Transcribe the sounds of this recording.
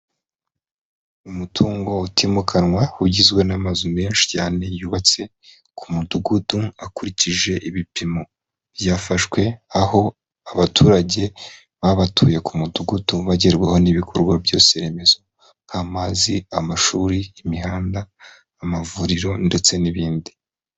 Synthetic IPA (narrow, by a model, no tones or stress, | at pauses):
umutʰuːŋɡo̞utʰimukʰanŋwahuɟizɡwe̞namazume̞ːnʃi̥caːne̞juβat͡se̞ | kʰumuduɡuduakuɾiciʒe̞ʔiβipimo̞ | b̥jaːfaʃwe̞aho̞ | aβatuːɾaɟe̞ | βaβatʰuːje̞kumuduɡuduβaɟeɾɡweho̞niβikʰo̞ɾɡwabjo̞ːseɾe̞me̞zo̞ | ŋhamaːziamaʃuːɾiːmiɦaːndaː | mavuɾiɾo̞nde̞t͡se̞niβiːndi